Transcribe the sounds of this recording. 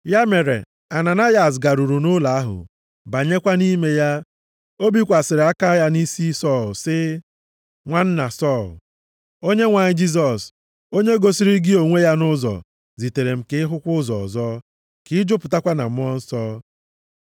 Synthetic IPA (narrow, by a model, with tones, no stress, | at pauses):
ja˦me˨ɾḛ˨ | a˨na˨na˦ja˨s̬ɡa˨ɾu˨ɾu˨nʊ˦la˨a˦ɦʊ̰˨ | ba˨ɲe˦kʷa˦ni˦me˦ja˦ | o˦bi˦kʷa˨sɪ˨ɾɪ˨a˦ka˦ja˦ni˦si˦sɔ˦˨lsɪ˦ | ŋʷa˦n̩˦na˨sɔ˦˨l | o˦ɲe˦ŋʷa˨ɲɪ˦d͡ʒi˦z̬ɔ˨s | o˦ɲe˦ɡo˨si˦ɾi˦ɡɪ˦o˨ŋʷe˦ja˦nʊ˦zɔ̰˨ | zi˨te˨ɾe˨m̩˨ke˦ɪ˦ɦʊ˦kʷʊ˦zɔ̰˨ɔ̰˨zɔ˦ | kɪ˦d͡ʒʊ˦pʊ˨ta˦kʷa˦na̰˨m̩˦ɔ˦n̩˦sɔː˦